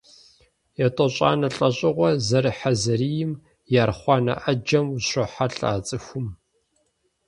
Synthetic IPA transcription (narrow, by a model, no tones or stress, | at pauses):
jatʼɔɕʼa̰ːnɐɬʼɐɕʼɪʁʷɐzɐɾɨħazɐɾiːjɪm | jaːrχʷɑːnɐ̰ʔɐd͡ʒɐmuɕʷɔħaɬʼa̰ːt͡sʼɨxʷʊm